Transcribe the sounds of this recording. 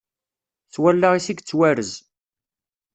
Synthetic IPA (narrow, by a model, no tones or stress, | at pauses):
θwælːaʁisiɡt͡sːwæɾəz